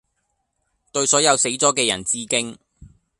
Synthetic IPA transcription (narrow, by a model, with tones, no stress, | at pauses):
t̪ɵ˧ɥsɔː˨˥jɐ˨˧wse˨˥jt͡sɔː˨˥kɛː˧jɐ̰˨˩nt͡siː˥kɪ˥ŋ